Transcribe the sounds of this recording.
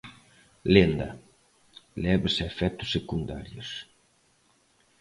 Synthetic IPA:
lend̪ɐ̰ | lɛβesaefɛt̪ʊsːekund̪a̰ɾjos

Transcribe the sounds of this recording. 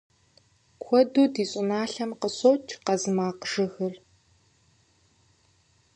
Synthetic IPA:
kʷʰɔduːdiːɕʼɪnaːɬɐmqəɕʼoːt͡ʃʰʼqɐzɨmaːqʒ̥ɨxɨr

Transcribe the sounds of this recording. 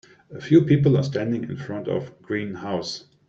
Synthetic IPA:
əfjuːpʰip̬əl̩ˠa̰stæ̃ndɪ̃ŋɪ̰̃nfɹʌ̃ntɔ̰vɡ̥ɹĩːnhaʊs

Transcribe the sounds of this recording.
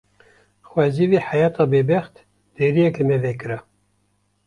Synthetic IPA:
xwɛziviħajɑːt̪ɑːbebɛxt̪ | d̪̥eɾijɛklɨmevekɨɾa

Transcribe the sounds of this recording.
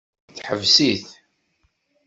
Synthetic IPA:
θħəvsiθ

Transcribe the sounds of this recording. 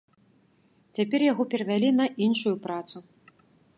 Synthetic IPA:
t͡sʲapʲɛrjaɣɔpʲɛɾɐvʲalʲinɐʔinʂujupɾat̪su

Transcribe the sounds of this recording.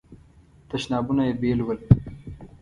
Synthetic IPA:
t̪ɐʃnɑːbunajebeːlwəl

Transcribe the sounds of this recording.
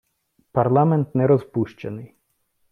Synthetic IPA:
pɐrlˠamɛnt̪nɛɾɔzpuʃt͡ʃɐnɪj

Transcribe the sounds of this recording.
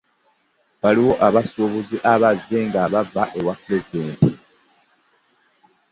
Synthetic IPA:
βaliwo̞ʔaβasoβuziʔaβazːeŋɡaβavaʔe̞wapɾe̞zid̪e̞ːnti

